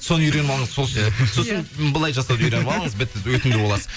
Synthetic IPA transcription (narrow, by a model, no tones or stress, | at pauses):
so̞nəʏjɾe̞nmɑlˠəɴəzso̞lˠʃed̪eso̞sənbəlˠɑjʒɑsɑwd̪yɾe̞nmɑlˠəɴəzbɪt̪ːɪwɵt̪ɪmd̪eboɑsəz